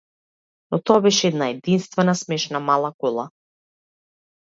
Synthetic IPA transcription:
nɔt̪ɔabɛʃɛɛd̪naɛd̪inst̪vɛnasmɛʃnamalˠakɔlˠa

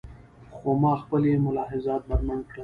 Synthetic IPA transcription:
xomɑːxpəljemʊlɑːɦɪzɑːt̪̚bɐɾmankɽa

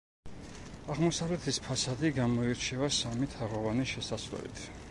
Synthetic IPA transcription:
aʁmɔsavlɛt̪ʰispʰasad̪iɡamɔiɾt͡ʃʰɛvasamit̪ʰaʁɔvaniʃɛsasvlɛ̰bḭt̪ʰ

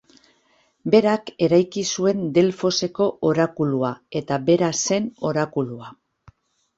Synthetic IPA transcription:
be̞ɾake̞ɾajkisue̞nd̪e̞lfo̞se̞ko̞ʔoɾakuluae̞t̪abe̞ɾase̞no̞ɾakulua

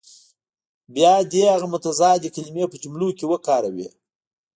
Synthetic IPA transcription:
bjɑd̪ehaɣamʊt̪azɑd̪əkalimepət͡ʃumlukewəkɑɾawḭ

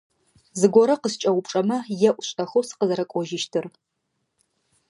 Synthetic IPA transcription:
zɨɡʷɔɾɐqəst͡ʃʼɐwʊpʈ͡ʂʼɐmɐjɛʔʷʊɕʼɐxowsɨ̥qəzɐɾɐkʷʼɔʒɪʃtʰɨr

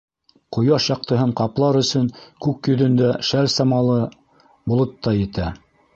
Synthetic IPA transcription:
qŏjɑʃjɑq̚t̪ɤ̆ɦɤɴqɑplˠɑɾɵ̆sɵŋkʉkjɵ̆ðɵ̆nd̪æʃæɾsɑmɑlˠɤ | bŏlˠɤt̪ːɑjɘ̆t̪æ

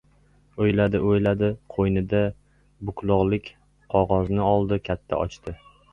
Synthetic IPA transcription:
ojlad̪ɪʔojlad̪ɪqʰojnɪd̪a | bʊkʰlˠʊʁlˠɪkʲ | qʰɒʁɒznɪɒlˠd̪ɪkʲʰat̪ʰːa̰ʔɒ̰t͡ʃt̪ɪ

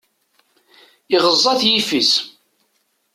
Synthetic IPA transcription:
ɪʁəzˤːɑθjifis

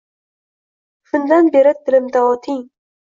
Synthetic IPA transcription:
ʃʊnd̪anbeɾɪd̪ɪlɪmd̪aɒt̪ʰɪŋ

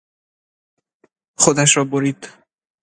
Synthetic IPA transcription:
xod̪æʃɾɒːboɾiːd̪̥

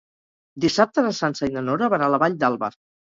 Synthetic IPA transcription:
d̪isap̚t̪əðəsansainənoɾəβanaləβaʎd̪alˠβa̰ɾ

